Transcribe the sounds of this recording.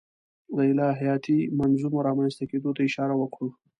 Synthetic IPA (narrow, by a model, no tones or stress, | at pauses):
d̪əɪlɑɦijɑt̪imanzumoɾɑmanzt̪aked̪ot̪aɪʃɑɾawəkɽo